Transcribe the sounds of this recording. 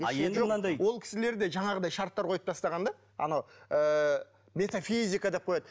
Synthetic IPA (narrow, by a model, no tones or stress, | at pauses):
eeeʒmnɑnd̪ɑjwo̞lˠkʲʰɪ̥sɪle̞ɾd̪e̞ʒɑɴɑʁəd̪ɑjʃɑɾt̪ːɑɾqʰo̞jəp̚t̪ʰɑst̪ɑʁɑnd̪ɑ | ɑ̰nɑwə | me̞t̪afizʲikad̪e̞p̚qʰo̞jɑd̪ə